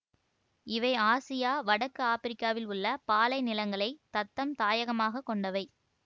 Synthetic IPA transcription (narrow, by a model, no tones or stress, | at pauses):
ɪʋɐɪaːsɪjaːʋɐɽɐkːɯaːpɪɾɪkːaːʋɪlʊɭːɐpaːlɐɪnɪlɐŋɡɐɭɐɪt̪ɐt̪ːɐmt̪aːjɐɣɐmaːɣɐkːɔɳɖɐʋɐɪ